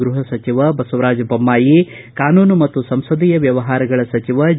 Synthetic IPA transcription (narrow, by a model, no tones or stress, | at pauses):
ɡɾuɦɐsɐt͡ʃiʋɐbɐsɐʋɾaːd͡ʒɐbɐmːaːji | kaːnuːnumɐt̪ːusɐmsɐd̪ijɐʋjɐʋɐɦaːɾɐɡɐɭɐsɐt͡ʃiʋɐ